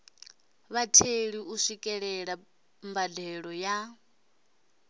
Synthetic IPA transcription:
βatʰeɺiuʂikʼɛɺɛɺa | mbadɛɺɔja

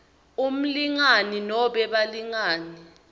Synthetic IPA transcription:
um̩liŋaninɔɓɛɓaliŋaːni

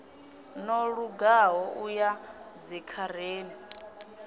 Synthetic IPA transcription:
nɔɺuɡaɦɔʔujad͡zikʰaɾ̤eːni

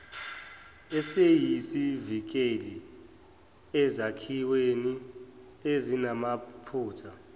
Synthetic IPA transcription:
ɛsejisivik̬ʼeli | ɛzakʰiweni | ezinamapʰuːtʰa

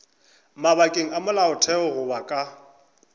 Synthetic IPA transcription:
maβakʼeŋ̩amʊlaʊtʰɛʊɣʊbakʼa

